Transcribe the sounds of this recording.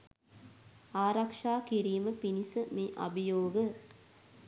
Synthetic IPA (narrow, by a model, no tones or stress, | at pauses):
aːɾakʂaːkiɾiːməpinisəmeːʔa̰bijoːɡə